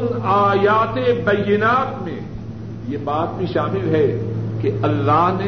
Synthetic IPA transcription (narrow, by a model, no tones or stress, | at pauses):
naːjaːt̪ebɐjːɪnaːt̪mḛ̃ | jebaːt̪̚bʱiʃaːmɪlɦɛkeɐlːaːɦne